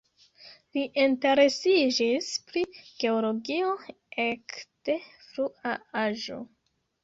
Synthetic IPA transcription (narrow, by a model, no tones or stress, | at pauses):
liʔinte̞ɾe̞sid͡ʒispɾiɡ̥e̞olo̞ɡio̞ | ekte̞ | fɾuʔaaʒo̞̰